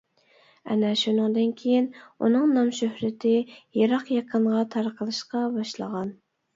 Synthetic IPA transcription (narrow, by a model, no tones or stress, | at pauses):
ɛ̰nɛʃunɨŋd̪ɨnkʲʰejinṵnɨŋnɑmʃøhɾɪt̪ʰɪjɑɾɑqjɑqʰəɴʁɑt̪ʰɑɾqʰəlˠɨʃqɑbɑʃlˠə̰ʁɑn